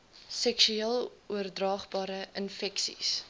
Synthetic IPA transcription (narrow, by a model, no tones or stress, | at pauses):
sɛksyiːlˠuərdrɑːχbɑːɾəənfɛksḭs